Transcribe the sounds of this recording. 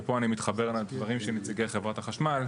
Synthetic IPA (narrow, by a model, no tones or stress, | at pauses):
po̞animit̪χabeʁaladvaʁimʃenet͡siɡeχevʁataχaʃmal